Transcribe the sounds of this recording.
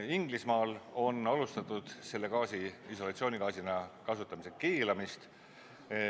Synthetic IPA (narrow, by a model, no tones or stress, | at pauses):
iŋɡ̥lismɑːlo̞nɑlust̪ɑt̪ːˑud̪̥se̞lːe̞kɑːsiiso̞lɑt̪sio̞ːnikɑːsinɑkɑsut̪ːˑɑmisekiːlɑmist̪